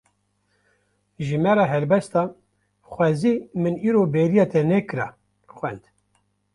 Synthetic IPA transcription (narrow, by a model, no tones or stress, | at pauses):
ʒɨmɛɾɑːɦɛlbɛst̪ɑ | xʷɛzimɨniːɾobeɾijɑt̪ʰɛnɛkɨɾɑ̰ | xwɛnd̪